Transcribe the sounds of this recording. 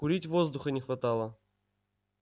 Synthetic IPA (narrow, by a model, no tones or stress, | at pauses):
kʊɾʲitʲvozd̪ʊxənʲɪxvɐt̪alˠə